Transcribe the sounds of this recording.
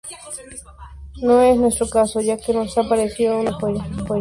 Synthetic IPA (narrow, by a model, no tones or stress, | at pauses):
nõesnwest̪ɾokasojakenosapaɾesiounapeɾepe